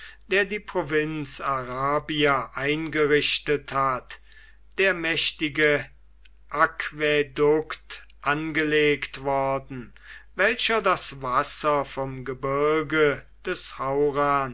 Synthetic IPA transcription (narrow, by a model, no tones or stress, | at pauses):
d̥eːɐdiːpʁ̥ovɪnsaʁaːbiaʔaɪnɡəʁɪʃtəthat | d̥eːɐmɛʃtɪɡə | ʔakv̥edʊkt | ʔanɡəleːktv̥ɔɐdn̩ | vɛlʃɐdasvasɐfɔmɡəbɪɐɡə | d̥ɛshaʊʁaːn